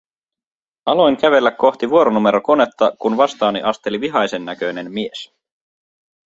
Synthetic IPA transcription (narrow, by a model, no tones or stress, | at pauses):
ɑlo̞jŋkæʋe̞lːækːo̞ht̪iʋuo̞ɾonume̞ɾo̞ko̞ne̞t̪ːɑkunʋɑst̪ɑːniʔɑst̪e̞liʋiɦɑjse̞nːæk̟ø̞jne̞nmies